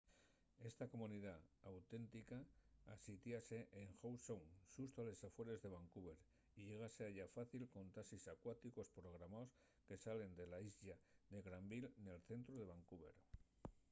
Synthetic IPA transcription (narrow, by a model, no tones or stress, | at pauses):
e̞st̪ako̞mũniðaawt̪e̞nt̪ikaːsit̪jase̞ʔeŋxowsoŋsust̪oale̞safwe̞ɾe̞zðe̞β̞aŋkuβe̞ɾ | iʎe̞ɣ̞aseaʝafaθilko̞nt̪asisakwat̪iko̞spɾo̞ɣ̞ɾamaos | ke̞sale̞nd̪e̞laizʎaðe̞ɣɾambilne̞lθe̞nt̪ɾoðe̞βaŋkuβe̞̰ɾ